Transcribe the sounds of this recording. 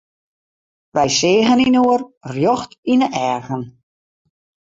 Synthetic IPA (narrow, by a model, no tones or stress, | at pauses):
ʋɛjsɪːɣəninoərrjɔxtinəʔɛːrɣən